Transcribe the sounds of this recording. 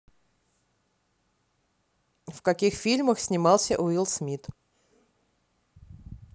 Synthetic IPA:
fkɐkʲixfʲilʲməxsʲnʲɪmɑlˠsʲəʔʊilˠsmʲit̪

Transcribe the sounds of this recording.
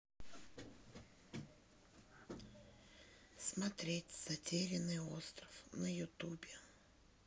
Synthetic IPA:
smɐt̪ɾʲetʲz̥ɐtʲeɾʲɪnɨjost̪ɾəfnəjʊt̪ubʲɪ

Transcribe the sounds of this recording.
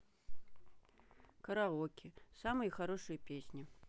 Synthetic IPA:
kəɾɐʁokʲʰɪsamɨjəxaɾoʂɨjəpʲesʲnʲɪ

